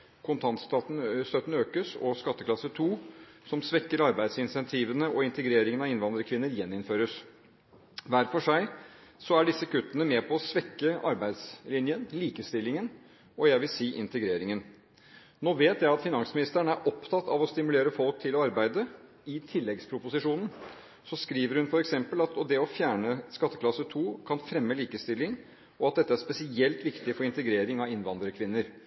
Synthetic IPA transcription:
kʰʊnt̪ʰɑnt̪st̪ɑːt̪n̩st̪œt̪n̩øːkəsɔ̰skɑt̪ːəklɑsət̪ʰuː | sɔmsʋɛkːəɾɑɾbæɪsɪnsɛnt̪ʰiːʋənəʔɔɪnt̪əɡɾeːɾɪŋənɑɪnʋɑnd̪ɾəkʰʋɪnːəɾjɛnːɪnføːɾəs | ʋæɾfɔʂæɪ | sɔæɖɪsːəkʰʉt̪ːənəmɛpʰɔːsʋɛkːəʔɑɾbæɪd̪slɪnjənliːkəst̪ɪlːɪŋən | ɔjæɪʋɪlsiːʔɪnt̪əɡɾeːɾɪŋən | noːʋeːt̪jæɪɑt̪fɪnɑŋsmɪnɪst̪əɳəæɾʔɔpt̪ʰɑt̪ːɑʋɔst̪ɪmʉleːɾəfɔlk̚t̪ʰɪlɔɑɾbæɪd̪ə | ɪt̪ʰɪlːɛɡspʰɾʊpʊsɪʂuːnn̩ | sɔskɾiːʋəɾhʉnfɔɾɛksɛmpəlɑt̪ɔd̪ɛɔfjæːɳəskɑt̪ːəkʰlɑsət̪ʰuːkʰɑnfɾɛmːəliːkəst̪ɪlːɪŋ | ɔɑt̪̚d̪ɛt̪ːəæʂpɛsɪɛlt̪ʋɪkt̪ɪfɔɾɪnt̪əɡɾeːɾɪŋɑʋɪnʋɑnd̪ɾəkʰʋɪnːəɾ

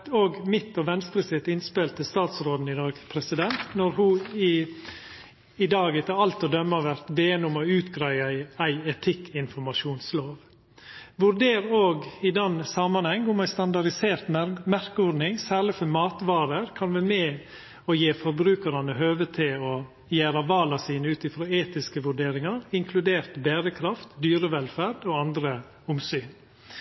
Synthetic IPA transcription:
oːɡmɪt̪ːɔʋɛnst̪ɾəsɪt̪ːɪnspeːlt̪ʰːɪlst̪ɑːt̪sɾoːd̪n̩ɪd̪ɑːɡpʰɾɛsɪd̪ɛnt̪nɔɾhʊɪ | ɪd̪ɑːɡɛt̪əɾɑlt̪ɔd̪œmːəɔʋæɾt̪ʋeːnʊmɔʉːt̪ɡɾæɪəæɪɛt̪ʰɪkːɪnfɔɾmɑʃuːnsloːʋ | ʋʉɾd̪eːɾoːɡɪd̪ɛnːsɑmːɑnhɛŋʊmæɪst̪ɑnd̪ɑɾɖɪseːɾt̪mæɾkəɔɾnɪŋsæːɾɭɪfɔmɑːt̪ʋɑːɾəɾkʰɑnʋɛmɛː | ɔjeːfɔɾbɾʉːkəɾɑnəhøːʋət̪ʰɪlɔ | jæːɾɑʋɑːlɑsiːnəʉːt̪ɪfɾoːeːt̪ɪskəʋʉɖeːɾɪŋɑɾɪŋkʰlʉd̪eːɾt̪bæːɾəkʰɾɑft̪d̪yːɾəʋɛlfæɾd̪oːɑnd̪ɾə | ʊmsyːn

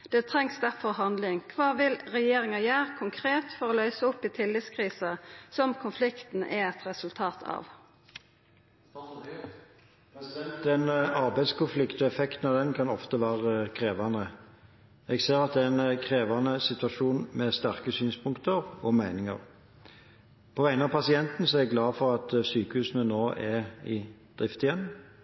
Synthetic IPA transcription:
d̪̥ɛːt̪ʰɾɛŋsd̪æʁfɔʁɦɑnd̪lɪŋkʰʋɑːʋɪlʁɛjeːɾɪŋɑjæːɾkʰʊŋkʰɾeːt̪fɔʁoːlœʏsəʊpːiːt̪ʰɪlːɪt̪skʰʁiːsəsɔmkʰʊnflɪkt̪n̩ʔɛɛt̪ʁɛsʉlt̪ʰɑːt̪ʰɑ̰ʋ | t̪d̪ɛnɑʁbæɪskʰʊnflɪkt̪ɛfɛkt̪n̩ɑd̪ɛnkʰɑnɔft̪əʋæːʁəkʰʁeːʋɑnə | ɛɡseːɾɑt̪̚d̪ɛɛnkʰʁeːʋɑnəsɪt̪ʉɑʂuːnmɛst̪æʁkəsyːnspʰʊŋkt̪əʁɔmæɪnɪŋə̰ʁ | pʰɔʋæɪənɑpɑsɪɛnt̪n̩sɔɛɛɡlɑːfɔʁɑt̪syːkəhʉːsən̩ənoːʔɛɪd̪̥ʁɪft̪ɪjɛnː

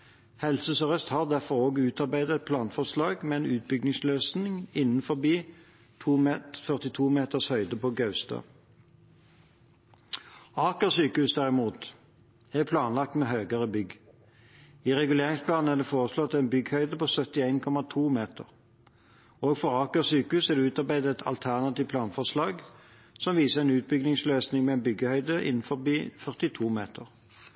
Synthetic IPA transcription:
hɛlsəsɔʁœst̪hɑːʁd̪æʁfɔʁoːɡʉːt̪ɑʁbæɪd̪əɛt̪̚pʰlɑːnfɔʁslɑːɡmeeːnʉːt̪̚bʏɡ̚nɪŋsløːsnɪŋɪnn̩fɔʁbiː | t̪ʰuːfœʁt̪ɪt̪ʰuːmeːt̪əʁshœʏd̪əpoːɡɑʉst̪ɑ̰ | ɑːkəʁsyːkəhʉsd̪æʁɪmuːt̪ | æʁpʰlɑːnlɑk̚t̪meːɦøːɡəʁəbʏɡ | iːʁɛɡʉleːʁɪŋspʰlɑːnn̩æːʁd̪efoːʁəslɔt̪ɛnbʏɡhœʏd̪əpoːsœt̪ɪæɪnkʰɔmɑt̪ʰuːmeːt̪ə̰ʁ | oːɡfɔʁɑːkəʁsyːkəʉːsɛʁd̪ɛʉːt̪ɑʁbæɪd̪əɛt̪ʰɑ̰lt̪ʰæʁnɑt̪iːʋpʰlɑːnfɔʁslɑːɡ | sɔmʋiːsəʁɛnʉːt̪̚bʏɡnɪŋsløːsnɪŋmɛɛːnbʏɡəhœʏd̪əʔɪ̰nn̩fɔbiːfœʁt̪ɪt̪ʰuːmeːt̪əʁ

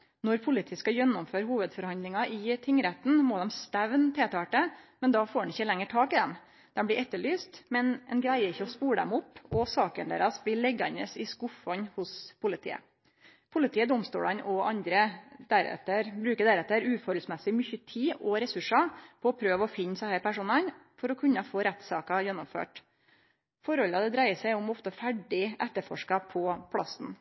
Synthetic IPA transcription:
nɔɾpʰʊlɪt̪ʰiːskɑjɛnːʊmføːɾhuːʋəd̪fɔɾhɑnd̪lɪŋɑʔɪt̪ʰɪŋːɾɛt̪n̩mɔːd̪ɛmst̪æʋnt̪ʰeːt̪ʰɑːʈəmɛnd̪ɑfoːɖɛnɪçːəlɛŋːəʈʰɑːkɪd̪ɛm | d̪̥ɛmblɪʔɛt̪ːəɭyːst̪mɛnɛnɡɾæɪəɾɪçːəɔspuːɾəd̪ɛ̰mʊpːɔsɑːkənd̪ḛːɾɑsʋɪlːɛɡɑnəsɪskʊfɔɲhʊspʰʊlɪt̪ʰḭːə̰ | pʰʊlɪt̪ʰiːəd̪ʊmst̪ṵːlɑnɔʔɑnd̪ɾəd̪æɾɛ̰t̪əɾbɾʉːkəd̪æɾɛt̪ːəɾʉːfɔɾɔlsmɛsɪmʏçət̪ʰiːʔɔɾɛsʉʂɑpʰɔɔpʰɾøːʋɔfɪnːsɑhæːɾpæʂuːnɑn | fɔɾɔkʰʉnːɑfoːɾɛt̪ːsɑːkɑjɛnːʊmfø̰ːʈ | fɔɾhɔlɑd̪ɛd̪ɾæɪəsæɪʊmɔft̪əfæɖɪʔɛt̪ːəɾfɔ̰ʂkɑpʰɔpʰlɑsn̩

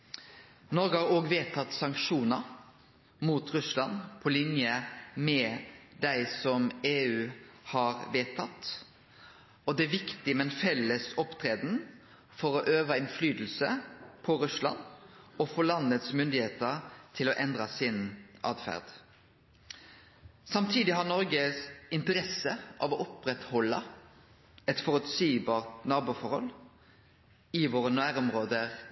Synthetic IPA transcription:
nɔɾɡəhɑɾoːɡʋeːt̪ʰɑt̪sɑŋkʂuːnəɾ | muːt̪ʁʉslɑnpʰɔlɪnjəmɛd̪æɪsɔmeːʉːhɑːɾʋeːt̪ʰɑt̪ | ɔd̪ɛæʋɪkt̪ɪmɛnfɛləsɔpt̪ʰɾeːd̪n | fɔɾɔʔøːʋɑɪnflyːd̪l̩səpʰɔɾʉslɑ̰nɔfɔlɑnət̪smʏnd̪ɪheːt̪əɾt̪ʰɪlɔʔɛnd̪ʁɑsɪnʔɑ̰ːd̪fæ̰ʁd̪̥ | sɑmt̪ʰiːd̪ɪhɑʁnɔɾɡəsɪnt̪əɾɛsəʔɑ̰ʋɔʔɔpʁɛt̪hɔlːɑ | ɛt̪fɔʁʉt̪siːbɑːʁt̪nɑːʁbuːfɔɾhɔ̰l | ɪʋoːʁənʉæːɾɔmʁoːd̪əʁ

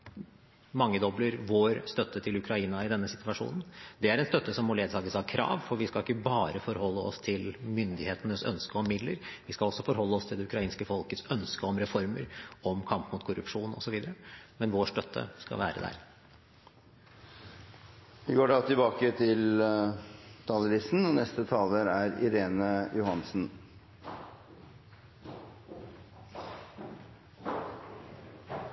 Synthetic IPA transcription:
mɑŋːəd̪ɔbləɾʋoːɾst̪œt̪ːət̪ʰɪlʉkʰɾɑiːnɑɪd̪ɛnːəsɪt̪ʋɑʂṵːnən̩d̪ɛæɾɛnst̪œt̪ːəsɔmːɔleːd̪sʰɑːɡəshɑɾkʰɾɑ̰ːʋfɔɾʋɪskɑɪkːəbɑːɾəfɔɾhɔlːəɔ̰st̪ʰɪlmʏnd̪ɪheːt̪ənəsœ̰nskəɔmːɪd̪lə̰ɾʋɪskɑlɔsːɔfɔɾɦɔlːəɔst̪ʰɪld̪ɛʉkɾɑiːnskəfɔlkət̪sœnskəɔmɾɛfɔɾməɾɔmkʰɑmpmʊt̪kʰʊɾʉ̰pʂuːnɔ̰sɔʋiːd̪əɾəmɛnʋoːʂʈœt̪ʰːə̰skɑ̰ʋæ̰ːɾə̰d̪æ̰ɾ | ʋɪɡoːɖɑt̪ʰɪlbɑːkət̪ʰɪl | t̪ʰɑːləɾisn̩ɔnɛst̪ət̪ʰɑːləɾæɾɪ̰ɾeːnəjʊhɑnsn̩

